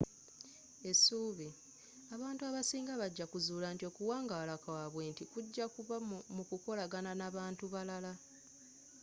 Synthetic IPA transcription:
e̞suːβi | aβaːntuaβasiːŋɡaβaɟːakuzuːlantio̞kuwaːŋɡalakawaβwe̞ːntikuɟːakuβamukuko̞laɡananaβaːntuβalala

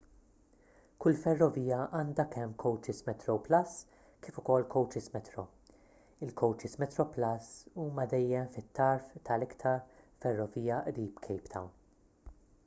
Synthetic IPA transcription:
kʊlːfɛrːɔviːjɐʔɐːnd̪ɐkɛmːkʰɔwt͡ʃɪsmɛt̪ɾɔwplɐs | kɪːfʊkɔlːkʰɔwt͡ʃɪsmɛt̪ɾɔ | ɪlkʰɔwt͡ʃɪsmɛt̪ɾɔplɐsuːmɐd̪ɛjːɛmfɪt̪ːɐɾft̪ʰɐlɪkt̪ʰɐɾfɛrːɔviːjɐʔɾiːpkʰɛjpt̪ʰɐwn

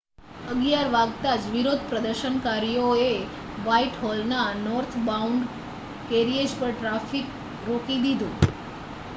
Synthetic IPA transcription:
əɡjaɾʋaɡt̪ad͡ʒʋiɾod̪̚ʱpɾəd̪əɾʃənkaɾijoe | ʋaiʈɦɔlnanɔɾt̪ʰbauɳɖ | keɾied͡ʒpəɾʈɾafik | ɾokid̪id̪ʱũ

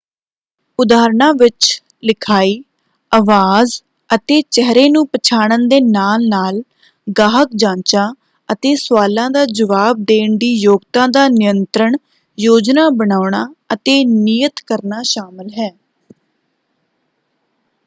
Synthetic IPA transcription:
ʊd̪aːɾɳãːʋɪt͡ʃ | lɪkʰaːiː | aʋaːz | ət̪eːt͡ʃɛɦɾeːnũːpət͡ʃʰaːɽ̃ənd̪eːnaːlnaːl | ɡaːɦək̚d͡ʒãːt͡ʃãː | ət̪eːswaːlãːd̪aːd͡ʒəʋaːb̚d̪eːɳd̪iːjoːɡt̪ãːd̪aːnɪjənt̪ɾəɳ | joːd͡ʒnaːbəɳaːʊɳaːət̪eːniːjət̪kəɾnaːʃaːməlɦɛː

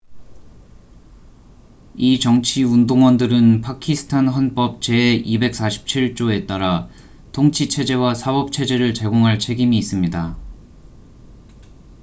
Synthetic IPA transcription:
it͡ɕʌŋt͡ɕʰiundoŋwʌndɯɾɯnpʰakʰisʰɯ̥tʰanɸwʌnp͈ʌp̚t͡ɕe̞ibe̞k̚s͈aɕʰi̥p̚t͡ɕʰiɭt͡ɕ͈oe̞t͈aɾa | tʰoŋt͡ɕʰit͡ɕʰe̞d͡ʑe̞wasʰabʌp̚t͡ɕʰe̞d͡ʑe̞ɾɯɭt͡ɕe̞ɡoŋɦaɭt͡ɕʰe̞ɡimiːs͈ɯmɲida

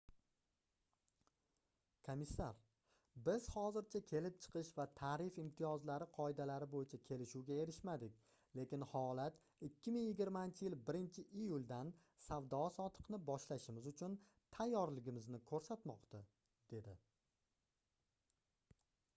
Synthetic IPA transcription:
kʰomɪsːaɾ | bɪz̥hɒzɪɾt͡ʃʰakʲʰe̞lɪp̚t͡ʃʰɨ̥qʰɨʃvat̪ʰaːɾɪfɪmt̪ʰijɒzlaɾɪqʰɒɪd̪alaɾɪbojɪt͡ʃʰakʲʰe̞lɪʃuwɡʲae̞ɾɪʃmad̪ɪk̚ʲ | le̞kʲɪnhɒlat̪ | ɪkʲʰːɪmɪŋjɪɡʲɪɾmant͡ʃʰɪjɪlbɪɾɪnt͡ʃʰɪʔijʊlˠd̪an | sawd̪ɒsɒt̪ʰɨ̥qnɪbɒʃlaʃɪmɪzʊt͡ʃʰʊn | t̪ʰajːɒɾlɪɡʲɪmɪznɪkʰɵɾsat̪mɒqt̪a | d̪̥e̞d̪ɪ

